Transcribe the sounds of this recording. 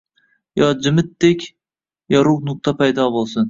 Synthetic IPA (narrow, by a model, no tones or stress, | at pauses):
jɒd͡ʒɪmɪt̪̚d̪ekʲ | jɒɾuʁnʊq̚t̪ʰapʰajd̪ɒbolˠsɪn